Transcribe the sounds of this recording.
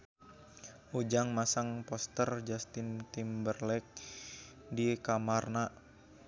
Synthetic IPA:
ʔud͡ʒaŋmasaŋpɔst̪ərd͡ʒast̪ɪnt̪imbərlɛk̚ | dikamarna

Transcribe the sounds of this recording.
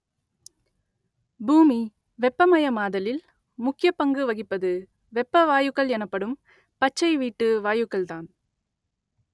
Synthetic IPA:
buːmi | ʋɛpːɐmɐjɐmaːðɐlɪl | mʊkːɪjɐpːɐŋɡɯʋɐɣɪpːɐðɯ | ʋɛpːɐʋaːjɯkːɐɭɛnɐpːɐɽɯm | pɐt͡ʃːɐɪʋiːʈːɯʋaːjɯkːɐɭt̪aːn

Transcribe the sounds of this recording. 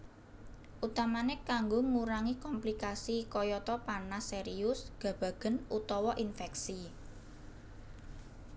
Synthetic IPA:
ʔut̪amanɪkaŋɡoŋuɾaŋikɔmplikasikɔjɔt̪ɔpanaseɾiʊsɡ̥ä̤b̥a̤ɡ̥ə̤nut̪ɔwɔʔinfɛksi

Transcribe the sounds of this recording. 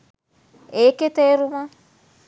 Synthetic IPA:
eket̪eɾumã

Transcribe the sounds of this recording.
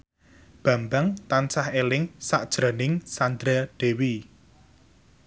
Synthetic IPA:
b̥a̤mbaŋt̪ansahelɪŋsaʔd̥ʒ̥ɾa̤nɪŋsand̪ɾaɖ̪̥e̤wi

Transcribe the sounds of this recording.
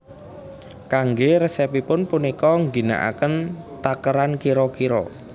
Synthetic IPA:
kaŋɡeɾəsɛpipʊnpunikɔŋɡina̰ʔa̰kənt̪akəɾankiɾɔkiɾɔ̰

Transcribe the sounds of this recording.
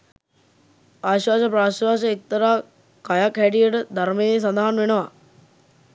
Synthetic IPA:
aːɕʋaːsɐpɾaːɕʋaːsɐek̚t̪ɐɾaː | kajakɦɛʈijəʈəd̪ʱɐɾmejes̬ɐnd̪aɦanʋenəʋa

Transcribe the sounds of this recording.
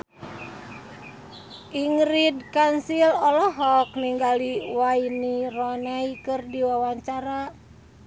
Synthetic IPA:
ʔiŋɾid̚kansilɔlɔɦɔk̚niŋɡaliwainirɔnaikɨrdiwawaɲt͡ʃaɾa

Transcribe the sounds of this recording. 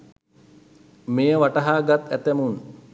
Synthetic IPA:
mejəʋaʈɐɦaːɡat̪æt̪æmun

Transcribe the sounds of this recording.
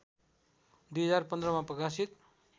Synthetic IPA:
d̪ujɦʌd͡zarpʌnd̪rʌmaprʌkasit̪̚

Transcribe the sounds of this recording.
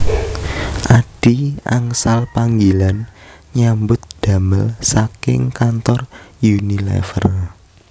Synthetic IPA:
ʔaɖ̥iaŋsalpaŋɡilanɲambʊt̪̚d̪̥a̤məlsakɪ̰ŋkant̪ɔrjunilɛ̰fə̰r

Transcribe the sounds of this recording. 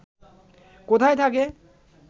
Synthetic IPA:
kot̪ʰajt̪ʰake

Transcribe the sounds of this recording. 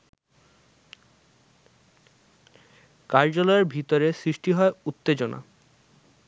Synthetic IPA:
kaɾd͡ʑolɔeɾbʱit̪oɾesɾiʃʈiɦɔeut̪ːed͡ʑona̰

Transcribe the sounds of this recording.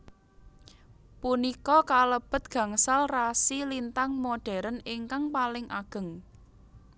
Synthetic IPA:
punikɔkaləb̥ə̤t̪̚ɡ̥ä̤ŋsalrasilint̪aŋmoɖ̥ɛ̤ɾənɪŋkaŋpalɪŋʔaɡ̥ə̤ŋ

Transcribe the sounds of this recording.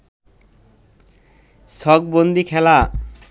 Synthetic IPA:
sɔɡ̚bond̪ikʰɛla

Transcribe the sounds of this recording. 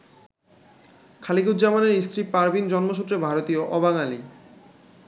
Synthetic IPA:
kʰaliɡud̪d͡ʑamaneɾist̪ɾipaɾbind͡ʑɔnmoʃʰut̪ːɾebʱaɾot̪ioʔɔbaŋali

